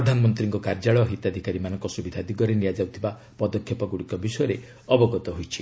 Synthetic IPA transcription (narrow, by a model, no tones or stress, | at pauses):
ɔd̪ʱanɔmɔnt̪ɾiŋkɔkaɾd͡ʒaɭɔɦit̪ad̪ʱikaɾimanɔŋkɔsubid̪ʱad̪iɡɔɾeniad͡ʒawt̪ʰiba | pɔd̪ɔkʰːjɔpɔɡuɽikɔbisɔjɔɾe | ɔbɔɡɔt̪ɔɦojt͡ʃʰi̥